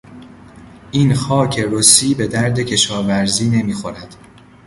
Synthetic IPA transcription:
ʔiːnxɒːcʰe̞ɾosiːbe̞d̪æɾd̪e̞cʰe̞ʃɒːvæɾziːne̞miːxo̞ɾæd̪̥

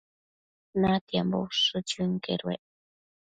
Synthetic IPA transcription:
nat̪jamboʂɨt͡ʃuŋkḛɾwḛʔ

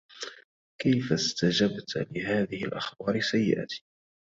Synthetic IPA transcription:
kajfast̪ad͡ʒabt̪lɪɦaːðɪhɪlʔaxbɑːɾɪsajːɪ̰ʔa̰t̪ʰi̥ː

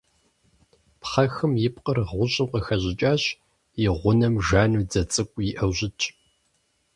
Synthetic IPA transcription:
pχɐxɨmjɪp̚qərʁʷʊɕʼɪmqəxɐʑɪt͡ʃʼaːɕ | jɪʁʷʊnɐmʒaːnud͡zɐt͡sʼɨkʷʼjiʔɐwʑɪt͡ʃʼ

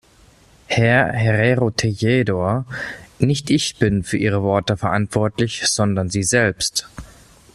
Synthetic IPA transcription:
hɛɐɦeʁeʁotʰejeːdoːɐnɪçtʔɪçb̥ɪnfyːɐʔiːʁ̞əvɔɐtəfɛɐʔantv̥ɔɐtlɪçz̥ɔndɐnziːzɛlpst

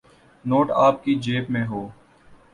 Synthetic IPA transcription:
noːʈaːp̚kid͡ʒeːpmẽɦoː

